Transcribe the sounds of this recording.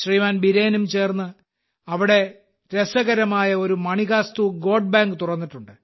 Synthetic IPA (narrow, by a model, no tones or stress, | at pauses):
ɕriːʋaːnbiɾeːnumt͡ɕe̞ːrnːɨ | ɐʋiɽe̞ | ɾesɐɣɐɾɐmaːjɐo̞ɾumɐɳiɣaːst̪uɡo̞ːɖ̚baːŋɡɨt̪urɐnːiʈːuɳɖɨ